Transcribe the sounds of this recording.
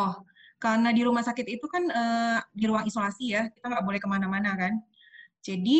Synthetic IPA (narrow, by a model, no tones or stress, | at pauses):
ɔh | karnadiɾumahsakɪt̪it̪ukanədiɾuaŋisolasijakit̪aŋɡaʔbolɛhkəmanamanakan | d͡ʒadi